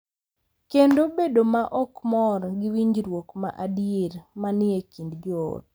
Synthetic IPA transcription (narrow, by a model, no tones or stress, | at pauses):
kendobedomaʔɔkmɔɾɡɪwiɲd͡ʒɾwokma̰ʔadijeɾmanɪekindd͡ʒɔo̰t